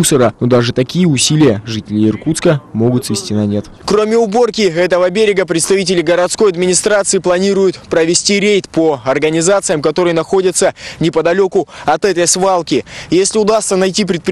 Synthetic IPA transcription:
usəɾənod̪aʐɨt̪ɐkʲijəʊsʲilʲɪjəʐɨtʲɪlʲɪɪrkut̪skəmo̞ɡʊt̪svʲɪsʲtʲinɐnʲe̞t̪ | kro̞mʲɪʊbo̞rkʲɪɛt̪əvəbʲeɾʲɪɡəpɾʲɪt̪st̪ɐvʲit̬ʲɪlʲɪɡəɾɐt̪sko̞jɐd̪mʲɪnʲɪst̪ɾat̪sɨɪplˠɐnʲiɾʊjʊt̪pɾəvʲɪsʲtʲiɾʲejt̪poɐrɡənʲɪzat̪sɨjəmkɐt̪o̞ɾɨjənɐxo̞dʲɪt̪sənʲɪpəd̪ɐlʲo̞kʊɐt̪ɛt̪əjsvalˠkʲɪjesʲlʲɪʊd̪ast̪sənɐjtʲip̬ɾʲɪt̪pʲ

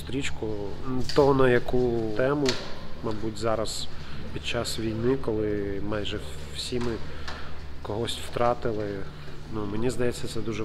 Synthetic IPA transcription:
st̪ɾʲit͡ʃkʊt̪ɔɦɔnɐjɐkut̪ɛmʊmɐbutʲzɑɾɐspʲid̪̥̚t͡ʃɑsʋʲijnɪkɔlˠɪmɑjʒɛwsʲimɪ | kɔɦɔsʲtʲw̥t̪ɾɑt̪ɪlˠɪ | numenʲizd̪ɐjɛt͡sʲːɐt̪sɛd̪uʒɛ

